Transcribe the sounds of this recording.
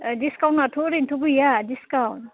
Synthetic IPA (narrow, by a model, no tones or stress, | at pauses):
diskawnmatʰoɾintʰuɡujadiskawn